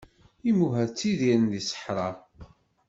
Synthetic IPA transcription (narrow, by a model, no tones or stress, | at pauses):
imuɦæðt͡sːiðiɾənðisə̥ħɾˤɑɾˤ